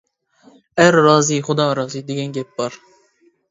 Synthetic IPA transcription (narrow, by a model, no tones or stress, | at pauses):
æɾːɑːziχʊd̪ɑːɾɑːzid̪eɡʲɛnɡʲɛp̚b̥ɑɾ